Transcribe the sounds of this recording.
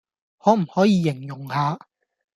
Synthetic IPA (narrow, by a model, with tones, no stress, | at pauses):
hɔː˨˥m̩˨˩hɔː˨˥jiː˨˧jɪ˨˩ŋjʊ˨˩ŋhaː˨˧